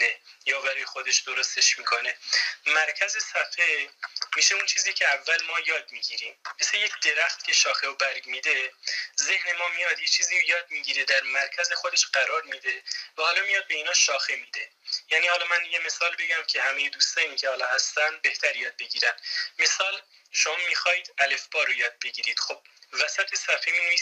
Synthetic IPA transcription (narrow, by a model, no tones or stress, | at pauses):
ejɒːbæɾɒːjexod̪e̞ʃd̪oɾost̪e̞ʃmiːkʰo̞ne̞mæɾcʰæze̞sæfemiːʃeunt͡ʃʰiːziːcʰe̞ævːælmɒːjɒːd̪̚miːɟiːɾiːmːeseje̞cʰd̪e̞ɾæxt̪cʰʲe̞ʃɒːxe̞obæɾɡmiːd̪e̞ze̞hne̞mɒːmijɒd̪jet͡ʃʰiːziːjɒːd̪̚miːɟiːɾe̞d̪æɾmæɾcʰæzexod̪e̞ʃɢæɾɒːɾmid̪e̞væhɒːlɒːmijɒd̪̚be̞iːnɒːʃɒːxemid̪̥e̞jæːniːhɒːlɒːmænd̪ijeme̞sɒːlbe̞ɡæmcʲʰe̞hæme̞jed̪uːst̪ɒːnicʰe̞hɒːlɒːhæst̪ænd̪̚be̞ht̪ʰæɾjɒːd̪̚be̞ɡiːɾænd̪̥me̞sɒːl | ʃomɒmiːxɒːjiːd̪æle̞fb̥ɒːɾojɒːd̪̚be̞ɡiːɾiːd̪̥xob̥̚væsæt̪ʰe̞sæfemiːnevi